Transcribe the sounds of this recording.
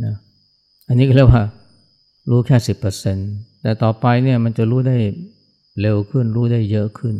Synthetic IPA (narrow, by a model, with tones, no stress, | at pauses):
na˦˥ | ʔa˧nːiː˦˥kɔ˥˩˨lk̚waː˥˩ | ɾuː˦˥kʰɛː˥˩si˨˩pːɤː˧se˧nt̪ɛː˨˩t̪ɔː˨˩pa˧jni˥˩ɐma˧nt͡ɕa˨˩ɾuː˦˥da˥˩j | le˧wkʰɯ˥˩nɾuː˦˥da˥˩jːɤ˦˥ʔkʰɯ˥˩n